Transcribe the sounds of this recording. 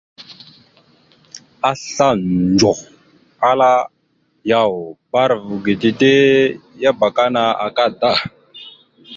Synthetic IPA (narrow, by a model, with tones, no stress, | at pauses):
a˦ɬa˦d͡ʒo˨x | a˦la˦ | ja˦˨wba˦ɾvu˨ɡe˨ti˨te˦ja˦ba˨ka˦na˦a̰˨ka˦da˦˨